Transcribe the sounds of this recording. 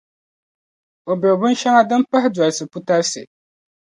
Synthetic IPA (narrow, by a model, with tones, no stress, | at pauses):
o˨bɛ˨bʊ˦nʃa˦ŋa˦dɨ˦m˦pa˦hɪ˦dwa˨lsɨ˨pu˦ta˦sɨ̰˨